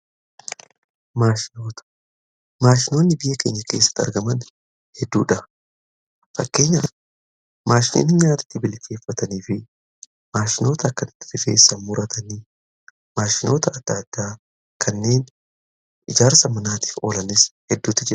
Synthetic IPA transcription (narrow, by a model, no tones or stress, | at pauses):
maːʃɪnoːt̪ɐ̥ | maːʃɪno̞ːnːɪbɪjɐke̞ːɲːɐke̞̰ːsːɐ̥t̪ːɐ̰ɾɡɐmɐn | hɛd̪ːuːᶑɐ | fɐkːe̞ːɲːɐ | maːʃɪno̰nɪɲaːt̪ɐ̥t̪ːɪbɪlke̞ːfːɐt̪ɐniːfɪ | maːʃɪno̞ːt̪ɐɐkːɐnɪt̪ːɪ̥fɪfe̞̰ːsːɐmʊɾɐt̪ʰɐni | maːʃɪno̞ːt̪ɐɐd̪̥ːaːd̪̥ːaː | kʰɐnːe̞ːn | ʔɪd͡ʒaːɾsɐmɐnaːt̪i̥ːfo̞ːlɐnɪshɛd̪ːuːt̪ːɪd͡ʒɪɾɐ̥